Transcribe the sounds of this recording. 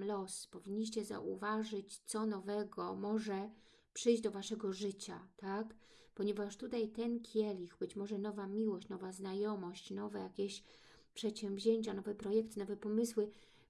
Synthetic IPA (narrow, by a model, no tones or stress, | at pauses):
lɔspɔvʲiɲʲːiɕ̬t͡ɕɛza̰ʔṵvaʐɘt͡ɕt̪sɔnɔvɛɡɔmɔʐɛ | pʂɘjʑd͡ʑd̪ɔvaʂɛɡɔʐɘt͡ɕa̰t̪ak | pɔɲɛvaʂt̪ut̪ajt̪ɛnkʲʰjɛlʲixbɘt͡ɕmɔʐɛnɔvamʲiwɔɕt͡ɕnɔvaznajɔmɔɕt͡ɕnɔvɛjakʲeɕ | pʂɛt̪ɕɛmvʲʑeɲt͡ɕanɔvɛpɾɔjɛkt̪nɔvɛpɔmɘswɘ